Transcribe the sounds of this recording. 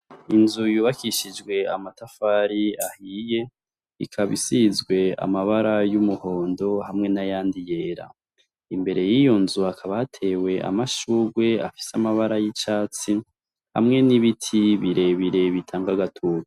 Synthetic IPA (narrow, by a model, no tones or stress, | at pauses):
inzujuːβakiʃid͡ʒɡwe̞amatafaɾiahije̞ | ikʰaβisizɡwe̞a̰maβaɾajumuho̞ːndo̞hamŋe̞najaːndije̞ːɾa̰ | imbe̞ɾe̞jijo̞nzuakʰaβahatʰe̞we̞a̰maʃuːɾɡwe̞a̰fi̥seamaβaɾajit͡ʃaːt͡si | ha̰mŋe̞niβitʰiβiɾe̞βiɾe̞βitʰaːŋɡaɡatʰuːɾa